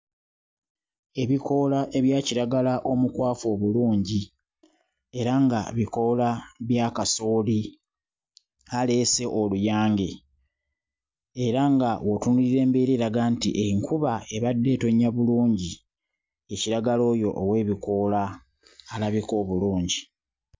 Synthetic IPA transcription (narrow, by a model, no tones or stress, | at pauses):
e̞βikʰo̞laʔe̞βjaːciɾaɡalaʔo̞mukwaːfo̞ːβuluːɲɟi | e̞ɾaŋɡa̰βiko̞laβjaːkaso̞ːli | ale̞se̞ʔolujaːŋɡe̞ | e̞ɾaŋɡawo̞tunuliɾe̞ːmbeɾeɾaɡaːntḭʔeiŋkuβae̞βadːe̞ːto̞ɲːaβuluːɲɟi | e̞ciɾaɡalo̞ːjo̞̰ʔːwe̞ːβiko̞laː | laβiko̞ːβuluːɲɟi